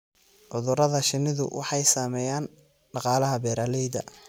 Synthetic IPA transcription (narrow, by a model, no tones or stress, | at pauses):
ʕʊðʊɾɐðɐʃɪnːɪðʊ̰wʔɑ̰ħɑjsaːmɛːjaːn | ɖɑqɑːlɐɦɐbɛːɾaːlɛjd̪ɐ̰